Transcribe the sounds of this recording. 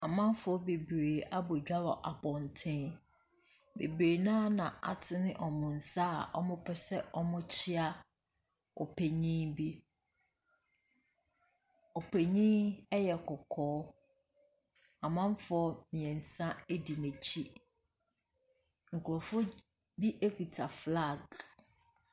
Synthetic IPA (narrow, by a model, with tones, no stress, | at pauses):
a˨mã˦m˦fʊ˦ɔ˦be˨bɾeː˨a˦bo˨d͡ʑᶣa˦wɔ˨ʔa˨bɔ̃˨n˨tʰɪ̃˦n | bḛ˨bɾe˨nãː˦nã˨ʔa̰˨tʰɪ˦nɪ̃˦ʔɔ˨mʊ̃˨n̩˨sa˦˨ʔɔ̰˦mʊ̃˦pʰɛ˦sɛ˦ɔ˦mʊ̃˦t͡ɕʰɪ˦a˦ | ɔ̰˨pʰe˨ɲĩ˦bi˦ | ɔ˨pʰe˨ɲĩ˦ɛ˦jɛ˨kʰɔ˨kʰɔː˦ | a˨mã˦m˦fɔ˦mĩ˨ɛ̃˨n̩˨sã˦e˦di˨nɛ̃˨t͡ɕʰi˦ | ŋ̩˨kʰʊ˨ɾɔ˨fʊ˦ | bi˦ʔe˦kʰu˨tʰa˨fla˦˨ɡ